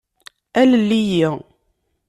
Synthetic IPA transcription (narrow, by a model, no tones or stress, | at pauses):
æləlːiji